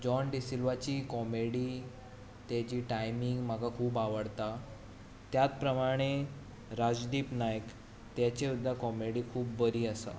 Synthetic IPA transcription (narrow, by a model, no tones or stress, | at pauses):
d͡ʑɔnɖisilʋat͡ɕiːkɔmeɽiː | t̪jat͡ɕiːʈajmiŋɡm̤aɡakʰuːpaʋəɽt̪a | t̪jat̪̚pɾəmaɽ̃e | ɾad͡zd̪iːpnajk | t̪jat͡ɕeud̪ʱːakɔmeɽiːkʰuːpbəɾiːəsa̰